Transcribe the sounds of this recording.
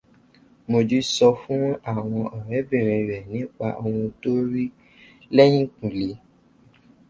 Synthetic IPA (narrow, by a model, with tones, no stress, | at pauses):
mo˧d͡ʒi˦sɔ˧fũ˦a˦˨w̃ɔ̃˧ʔɔ˨ɾɛ˨˦bĩ˦˨ɾ̃ĩ˧˨ɾɛ˨nĩ˨˦k͡pa̰˧ʔo˧wũ˧to˦ɾi˦ | lɛ˦j̃ĩ˦˨k͡pũ˨le˨˦